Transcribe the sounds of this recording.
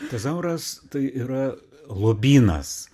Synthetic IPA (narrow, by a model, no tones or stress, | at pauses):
t̪ɐs̬ɐʊɾɐst̪ɐɪiːɾɐ | lˠoːbʲiːnɐ̰s